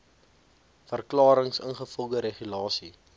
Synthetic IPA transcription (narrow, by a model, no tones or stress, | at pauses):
fərklɑːɾəŋsə̰nχəfɔlˠɡəɾeχylɑːsi